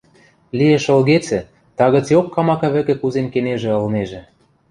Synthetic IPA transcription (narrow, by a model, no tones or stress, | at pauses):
lieʃɤ̆lɣet͡sɘ̆ | t̪ɑɣə̆t͡sjokːɑmɑkɑ̆βɘ̆kĕkuzemkeneʒĕɤ̆lneʒĕ